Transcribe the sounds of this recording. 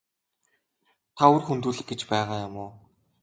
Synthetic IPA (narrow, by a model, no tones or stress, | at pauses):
t̪ʰaʊrxunt̪uːɮɘ̆k̚ɡet͡ɕpæːʁaːjʊmʊː